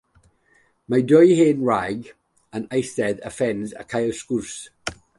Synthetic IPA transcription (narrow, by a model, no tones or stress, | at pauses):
majdɔjhenɹaɡ | ə̃najstɛdə̰fɛ̃nzə̰kʰajəskuɹs